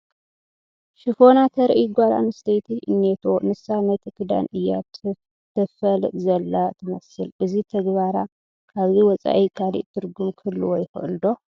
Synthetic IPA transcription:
ʃɨfo̞nat̪ʰɐɾʔiɡʷaɾa̰nɨst̪ʰɐjt̪ʰiʔɨ̰nːet̪ʰo̞nɨsanɐt̪ʰikʰɨd̪a̰nɨjːa | t̪ʰɐfɐlzɐlːat̪ʰɨmɐsɨlʔɨzit̪ʰɐɡβaɾa | kaβziwɔt͡sʼa̰ʔikʰalḭʔt̪ʰɨɾɡumkʰɨlːuwɔjxɨ̰ʔɨld̪o̞

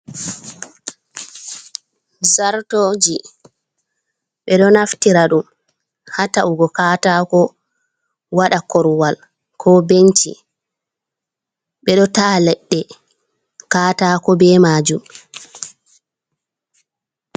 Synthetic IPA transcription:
zaɾtoːd͡ʒi | ɓɛɗɔnaftiɾaɗum | hataʔuɡɔkaːtakɔ | waɗakɔɾwal | kʰɔbent͡ʃḭ | ɓɛɗɔtaːlɛɗːɛ | kaːtaːkɔbɛːmaːd͡ʒum

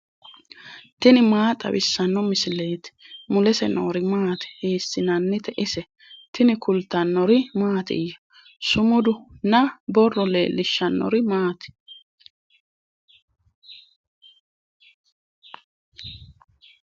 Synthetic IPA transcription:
t̪ɪnɪmaːt̪ʼɐ̰wɪsːɐnːɔmɪsɪleːt̪ɪ̥mʊlɛsɛno̰ːɾɪmaːt̪ɛ̥hiːsːɪnɐnːɪt̪ɛʔɪsɛ | t̪ɪnɪkʰʊlt̪ːɐnːɔɾɪmaːt̪ɪ̰jɐ | sʊmʊd̪ʊnɐbɔrːɔle̞̰ːlːɪʃːɐnːɔ̰ɾɪmaːt̪ɛ̥

